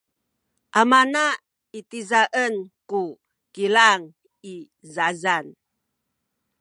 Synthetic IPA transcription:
ʔamana | itizaʔənku | kilaŋ | i | zazan

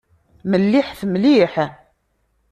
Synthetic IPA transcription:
məlːiħθmliħ

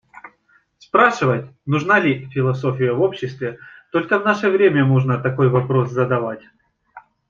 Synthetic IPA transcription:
spɾaʂɨvətʲnʊʐnalʲɪfʲɪlˠɐs̬o̞fʲɪjəvo̞pɕːɪst̪vʲɪt̪o̞lʲkəvnaʂəvɾʲemʲəmoʐnət̪ɐko̞jvɐpɾo̞szɐd̪ɐvatʲ

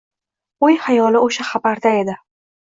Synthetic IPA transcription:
ojhajɒlɪoʃaχapaɾd̪ae̞d̪ɪ

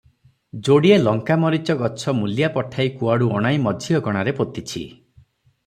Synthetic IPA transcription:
d͡ʒoɽielɔŋkamɔɾit͡ʃɔɡɔt͡ʃʰɔmuljapɔʈʰajkuaɽuɔɽ̃ajmɔd͡ʒʱiɔɡɔɽ̃aɾepot̪it͡ʃʰḭ

